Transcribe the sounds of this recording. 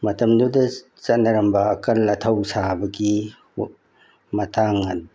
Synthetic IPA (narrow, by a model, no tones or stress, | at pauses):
mɐtɐmdudɐ | t͡ʃɐnɐɾɐmbɐːkɐlːɐtʰɐwsabɐɡi | mɐtʰaŋɐn